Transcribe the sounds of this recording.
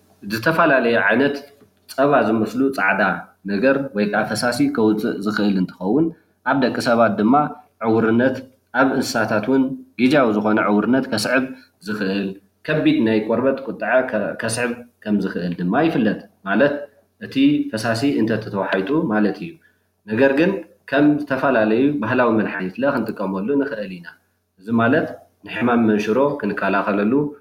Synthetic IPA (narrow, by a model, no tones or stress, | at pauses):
zɨt̪ʰɐfɐlalɐjɛʕajnɐt̪ | t͡sʼɐβazɨmɐslut͡sʼa̰ʕd̪a | nɐɡɐɾwɔjkʰafɐsasikʰɐwt͡sʼɨ̰ʔzɨxɨʔɨlɨnt̪ʰɨ̥xɐwːʊn | ʔaβd̪ɐkʼːisɐβat̪̚d̪ɨmːaʕɨwɾɨnːɐt̪ | ʔaβɨnsɨsat̪ʰat̪wʊnɡid͡ʒawizɨxo̞nɐʕɨwɾɨnːɐt̪kʰɐsʕɨβ | zɨxɨʔɨl | kʰɐbid̪najkʷʼoɾbɐt̪ʼkʼʊt̪ʼːɨʕakʰɐsʕɨβkʰɐmzɨxɨʔɨld̪ɨmːajɪfɨlːɐt̪ʼmalɐt̪̚ | ʔɨt̪ʰifɐsas̬iɨnt̪ʰɐt̪ʰːɐt̪ʰɐwaħajt̪ʼumalɐt̪ʰɨjːu | nɐɡɐɾɡɨn | kʰɐmzɨt̪ʰɐfɐlalɐjubaɦlawimɐnħajit̪lɐkɨnɨt̪ʼɨkʼːɐmɐlːunɨxɨʔɨlina | ʔɨzimalɐt̪ | nɨħɨmamːɐnʃɨɾo̞kʰɨnɨkʰːalaxɐlɐlːu